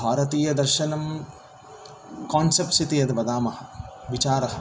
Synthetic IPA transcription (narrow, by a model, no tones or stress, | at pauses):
aːɾɐt̪iːjɐd̪ɐɾʃɐnɐm | kaːnsɐpsit̪ijɐd̪ɐbɐd̪aːmɐhɐ̆ʋit͡ʃaːɾɐɦɐ